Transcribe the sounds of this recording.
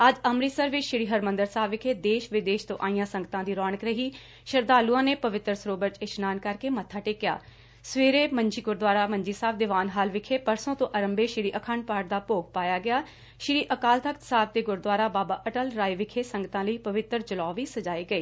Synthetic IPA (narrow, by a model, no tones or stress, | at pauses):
əd͡ʒəmɾiːsəɾʋɪt͡ʃʃɪɽiːɦəɾmə̃nd̪əɾsaːbʋɪkʰeːd̪eːʃʋɪd̪eːʃt̪õ̰ːʔaːĩjãːsəŋɡət̪ãːd̪iːɾɔːɳəkɾəɦiː | ʃəɾd̪aːluːãːneːpəʋɪt̪ɾəsɾoːbəɾt͡ʃɪt͡ʃnaːnkəɾkeːmət̪ʰːaːʈɪːkɪja̰ː | sʋeːɾeːməɲd͡ʒiːɡʊɾd̪ʋaːɾaːməɲd͡ʒiːsaːbd̪ɪʋaːnɦaːlʋɪkʰeːpəɾsõːt̪õːʔəɾəmbeːʃɪɽiːʔəkʰaɳɖpaːʈ̚d̪aːpoːɡ̚paːjaːɡɪjaː | ʃɪɽiːʔəkaːlt̪əkt̪saːb̚t̪eːɡʊɾd̪waːɾaːbaːbaːʔəʈəlɾaːiʋɪkʰeːsəŋɡət̪ãːləiːpəʋɪt̪ɾd͡ʒəlɔːʋiːsəd͡ʒaːiːɡəiː